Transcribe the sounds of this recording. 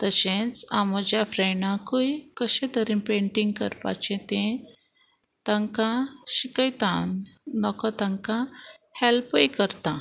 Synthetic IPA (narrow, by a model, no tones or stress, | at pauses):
t̪əɕẽt͡saməd͡ʑjafɾeɳãkujkəɕẽt̪əɾinpeɳʈiŋɡkə̰ɾpa̰t͡ɕẽt̪ẽ | t̪ãŋkãɕikəjt̪ãnnɔkɔt̪ãŋkãhɛlpəjkəɾt̪a